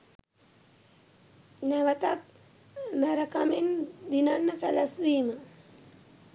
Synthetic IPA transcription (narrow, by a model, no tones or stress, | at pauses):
næʋət̪at̪̚ | mæɾəkamend̪inanːəsɛləsʋiːmə